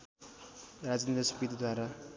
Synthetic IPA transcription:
rad͡znid̪asʌpit̪d̪waɾa

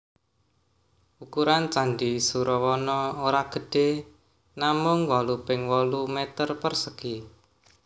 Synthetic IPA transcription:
ukuɾant͡ʃandisuɾɔwɔnɔoɾaɡ̥ə̤ɖ̥e | namʊŋwɔlupɪŋwɔlumet̪ərpərsəɡ̥i

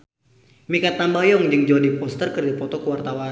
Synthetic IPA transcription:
mikat̪ambajɔŋd͡ʒɨŋd͡ʒɔdipɔst̪ərkərdipɔt̪ɔkəwart̪awa

